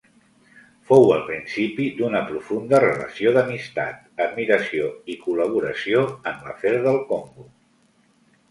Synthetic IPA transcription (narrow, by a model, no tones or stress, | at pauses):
fowəlˠpɾinsipid̪unəpɾufund̪ərələ̰sioðəmist̪a̰t̪̚əd̪̚miɾəsioikuləβ̞uɾəsioəmlə̰fɛɾðəlˠkoŋɡu